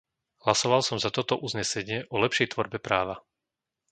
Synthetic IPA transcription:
hlasɔʋalsɔmzat̪ɔt̪ɔʔuzɲɛsɛɲɪɛʔɔlɛpʃɛjt̪ʋɔɾbɛpɾaːʋa

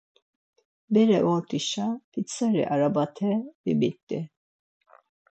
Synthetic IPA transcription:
bɛɾɛʔɔt̪ʼiʃapʰit͡sʰaɾɛ̰ʔaɾabat̪ʰɛbimit̪ʼːi

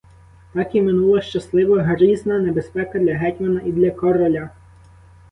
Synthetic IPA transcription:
t̪ɑkʲimɪnulˠɐʃt͡ʃɐslˠɪʋɐɦɐɾiznɐnebespɛkɐd̪lʲɐɦɛtʲmɐnɐʔid̪lʲɐkɔrɔlʲɐ

